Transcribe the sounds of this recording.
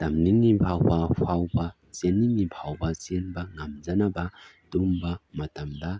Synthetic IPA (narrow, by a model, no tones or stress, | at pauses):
tɐmninibʱawbɐpʰawbɐ | t͡ʃenːinibʰʱawbɐt͡ʃenbɐŋɐmd͡ʒɐnɐbɐ | dumbɐmɐtɐmdɐ